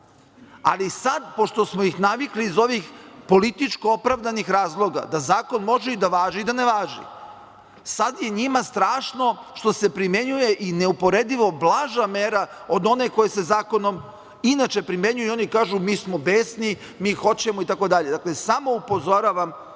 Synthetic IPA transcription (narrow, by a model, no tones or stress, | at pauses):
a̰lisad̪po̞ʃt̪o̞smoixnaʋikliːzo̞ʋixpo̞lit̪it͡ʃkoopɾaʋd̪anixɾaːzlˠo̞ɡa̰d̪azaːko̞nmo̞ʒeid̪aʋaːʒiːd̪aneʋaːʒḭ | sad̪je̞ɲimast̪ɾaːʃno̞ʃt̪o̞se̞pɾimje̞ɲuje̞ʔineupo̞ɾed̪iʋo̞blˠaːʒameːɾaod̪o̞ne̞ko̞jese̞zaːko̞nom | inat͡ʃe̞pɾime̞ɲujuo̞nikaːʒumiːsmo̞beːsni | miːxo̞t͡ɕe̞moit̪ako̞d̪aʎe̞d̪aklesamo̞upo̞zo̞ɾaʋam